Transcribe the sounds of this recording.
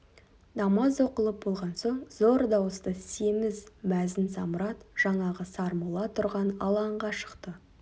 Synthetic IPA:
d̪ɑmɑzo̞qəlˠəp̚bo̞lˠʁɑnso̞ɴzo̞ɾd̪ɑwəst̪əsemɪzmæzɪnsɑ̰mʊɾɑt̪ʒ̥ɑɴɑʁəsɑɾmulˠɑt̪ʰʊɾʁɑnɑ̰lˠɑɴʁɑʃə̥qt̪ə

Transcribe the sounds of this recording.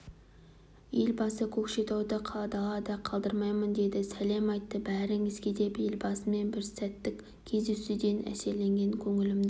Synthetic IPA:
je̞lbɑsəkʲʰɵkʃe̞t̪ɑwd̪əqʰɑlˠɑd̪ɑlˠɑd̪ɑqʰɑlˠd̪əɾmɑjmənd̪e̞d̪ɪsæle̞mɑjt̪ːəbæɾɪŋɪzkʲed̪e̞pjelbɑsəme̞nbɪɾsæt̪ːɪkʲ | kʲʰːe̞zd̪esud̪e̞nʔæ̰se̞ɾle̞ŋɡʲe̞ŋkʲʰɵŋɪlɪmd̪ɪ

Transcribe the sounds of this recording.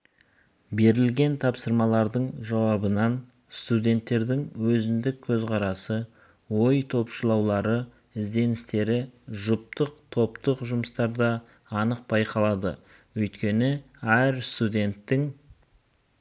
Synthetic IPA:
be̞ɾɪlɡʲe̞nt̪ʰɑpsəɾmɑlˠɑɾd̪əɴʒɑwɑbənɑn | st̪ud̪ʲe̞nt̪ːe̞ɾd̪ɪŋwɵzɪnd̪ɪkʲʰːɵzqʰɑɾɑsə | wo̞jt̪ʰo̞pʃəlˠɑwlˠɑɾə | ɪzd̪e̞nɪst̪e̞ɾɪʒʊp̚t̪əqt̪ʰo̞pt̪əqʒʊməst̪ɑɾd̪ɑː | nəq̚bɑjqʰɑlˠɑd̪ə̰ | wɵjt̪kʲe̞nɪ | æɾst̪ud̪ʲe̞nt̪ːɪŋ

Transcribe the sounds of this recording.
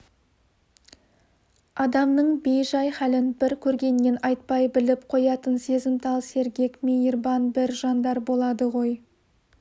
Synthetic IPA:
ɑd̪ɑmnəɴbejʒɑjχælɪnbɪɾkʲʰɵɾɡʲe̞nːenɑjt̪̚pɑjbɪlɪpqʰo̞jɑt̪ənse̞zɪmt̪ʰɑlˠse̞ɾɡʲe̞kmeirbɑnbɪɾʒɑnd̪ɑɾbo̞lˠɑd̪əʁo̞j

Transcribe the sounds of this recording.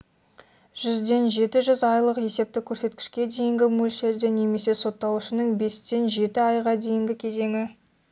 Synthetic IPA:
ʒ̥ʏzd̪e̞nʒe̞t̪ɪʒʏzɑjlˠəqje̞se̞p̚t̪ɪkʲʰɵɾse̞t̪̚kʲɪ̥ʃkʲe̞d̪e̞jɪŋɡʲɪmulʲʃeɾd̪ene̞me̞se̞so̞t̪ːɑwʊʃɪnəŋbe̞st̪e̞nʒe̞t̪ɪɑjʁɑd̪e̞jɪŋɡʲɪkʲʰe̞ze̞ŋʲɪ

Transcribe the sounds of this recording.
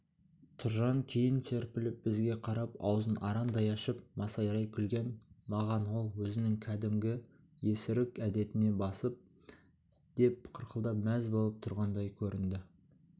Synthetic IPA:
t̪ʰʊɾʒɑŋkʲʰejɪnt̪ʰe̞ɾpɪlɪp̚bɪzɡʲe̞qʰɑɾɑpɑ̰wzənʔɑɾɑnd̪ɑjɑʃəpmɑsɑjɾɑjkʲʰʏlɡʲe̞nmɑʁɑnwo̞lˠwɵzɪnɪŋkʲʰæd̪ɪmɡʲɪ | je̞sɪɾɪkʲæd̪e̞t̪ɪne̞bɑsəp̚ | d̪̥e̞p̚qʰəɾqʰəlˠd̪ɑpmæzbo̞lˠəp̚t̪ʰʊɾʁɑnd̪ɑjkʲʰɵɾɪnd̪ɪ

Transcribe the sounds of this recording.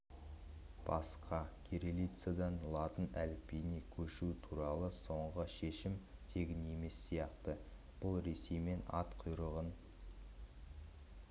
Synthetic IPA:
b̥ɑsqʰɑkʲʰeɾelit̪sad̪ɑnlˠɑt̪ənælpejnekʲʰɵʃut̪ʰuɾɑlˠəso̞ɴʁəʃe̞ʃɪmt̪ʰe̞ɡʲɪne̞me̞sːijɑqt̪ə | b̥ʊlˠɾe̞se̞jme̞nɑ̰t̪qʰʊjɾəʁən

